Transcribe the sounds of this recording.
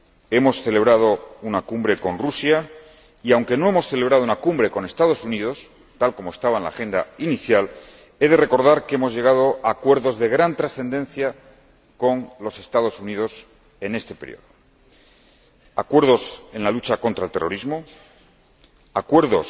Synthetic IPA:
e̞mo̞sθe̞le̞β̞ɾað̞o̞unakumbɾe̞ko̞nrusja | iawŋke̞no̞e̞mo̞sθe̞le̞β̞ɾaðounakumbɾe̞ko̞ne̞st̪að̞o̞sunið̞o̞s | t̪alko̞moe̞st̪aβaenla̰xe̞nd̪a̰iniθjal | e̞ðe̞re̞ko̞ɾð̞aɾkeemo̞zʝe̞ɣ̞aðo̞ʔaːkwe̞ɾðo̞zðe̞ɣɾant̪ɾasθe̞nd̪e̞nθja | ko̞nlo̞se̞st̪að̞osunið̞o̞s | e̞ne̞st̪e̞peɾj̰o̞̰ðo | akwe̞ɾð̞o̞se̞nlalut͡ʃako̞nt̪ɾaelt̪e̞roɾizmo̞ | akwe̞ɾðo̞s

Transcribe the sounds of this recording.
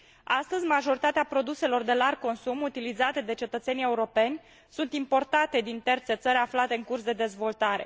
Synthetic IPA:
ast̪əzʲmaʒo̞ɾit̪at̪eapɾo̞d̪use̞lo̞rd̪e̞larɡ̚ko̞nsumut̪ilizat̪e̞d̪e̞t͡ʃe̞t̪ət̪se̞nije̞uɾo̞pe̞nʲ | sunt̪impo̞rt̪at̪e̞d̪int̪e̞rt̪se̞t̪səɾʲaflat̪e̞ɨŋkurs̬d̪e̞d̪e̞zvo̞lt̪aɾe̞̰

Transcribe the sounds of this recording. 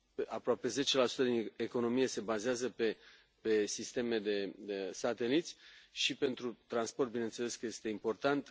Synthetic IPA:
apɾoape̞ze̞t͡ʃe̞lasu̥t̪əd̪ineko̞no̞mije̞se̞bazeazəpe̞ | pe̞sist̪e̞me̞d̪e̞sat̪e̞lit̪sʲʃipe̞nt̪ɾut̪ɾansport̪̚binent̪sele̞skəje̞st̪e̞impo̞rt̪ant̪

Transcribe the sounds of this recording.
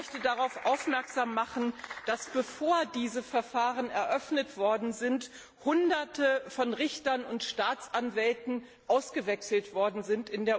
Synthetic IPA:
œçtədaʁaʊfʔaʊfmɛɐkz̥aːmːaχn̩d̥asb̥əfoːɐdiːzəfɛɐfaːʁənɛɐʔœfnətv̥ɔɐdn̩zɪnt | hʊndɐtəfɔnʁɪçtɐnʊntʃtaːt͡sʔanvɛltn̩ | ʔaʊsɡ̥əvɛksl̩tv̥ɔɐdn̩zɪntɪndeːɐ

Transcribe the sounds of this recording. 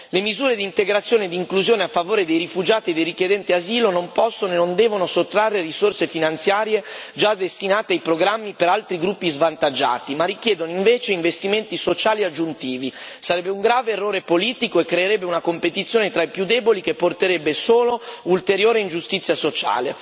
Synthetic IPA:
lemizuːɾed̪int̪eɡɾat̪sːjoːned̪iŋkluzjoːneafːavoːɾed̪ejrifud͡ʒaːt̪ied̪ejrikjed̪ɛnt̪iaziːlonompɔsːonoenːond̪ɛːvonosot̪ːɾarːerisorsefinant̪sjaːɾjed͡ʒad̪ːest̪inaːt̪eajpɾoɡɾamːipeɾalt̪ɾiɡɾupːizvant̪ad͡ʒːa̰ːt̪imarːikjɛːd̪onoiɱveːt͡ʃeiɱvest̪iment̪isot͡ʃaːliad͡ʒːunt̪iːvisaɾɛbːeuŋɡɾaːveːrːoːɾepoliːt̪ikoekːɾeːɾɛbːeunakompet̪it̪sːjoːnet̪ɾaipjud̪ːɛːbolikepːort̪eɾɛbːesoːloult̪eɾjoːɾeind͡ʒust̪it̪sːjasot͡ʃa̰ːlḛ

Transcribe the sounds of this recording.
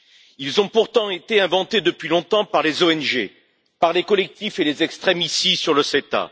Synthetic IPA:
ilzɔ̃puʁt̪ɑ̃et̪eɛ̃vɑ̃t̪ed̪əpɥilɔ̃t̪ɑ̃paʁlezoɛnʒe | paʁlekɔlɛk̚t̪ifelezɛkst̪χɛmisisyʁləset̪a̰

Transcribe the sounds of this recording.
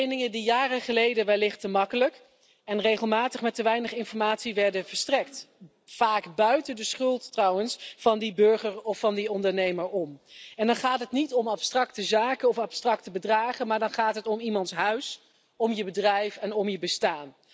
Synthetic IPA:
ejnɪŋədijaːrəχəlejdənʋɛlːɪχtəmɑkələk | ɛnrejχəlˠmaːtəχmɛtəʋɛjnəχɪnfɔɹmaːtsiʋɛɹdənvəɹstrɛkt | faːkbœɥtəndəsχɵlˠtːrɑwənsfɑndibɵɹχəɹɔfɑndiɔndəɹnejməɹɔmɛndɑnχaːtɦətnitɔmɑpstrɑktəzaːkənɔfɑpstrɑktəbədraːχənmaːɹdɑnχaːtɦətɔmimɑntsɦœɥs | ɔmjəbədrɛjfɛnɔmjəbəstaːn

